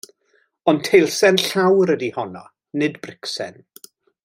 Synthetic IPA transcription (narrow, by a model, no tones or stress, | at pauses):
ɔntʰejlˠsɛnɬawɾədihɔnɔ̰ | nɨdbrɪksɛ̰n